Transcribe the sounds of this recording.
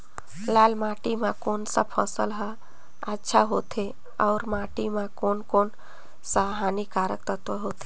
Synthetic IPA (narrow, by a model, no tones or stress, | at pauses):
laːlmaʈimãkonsəpʰəsəlɦə | ətːʃʰaɦot̪ʰe | ɔʊɾmaʈimãkoːnkoːn | səɦanikaɾək̚t̪ət̪ʋəɦot̪ʰe